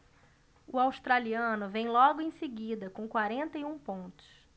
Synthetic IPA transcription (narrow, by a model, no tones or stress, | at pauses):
ʊawst̪ɾaliɐ̃nʊvẽj̃lɔɡʊẽj̃sɪɡid̪ɐkõkwaɾẽnt̪ɐjũpõnt̪ʊ̥s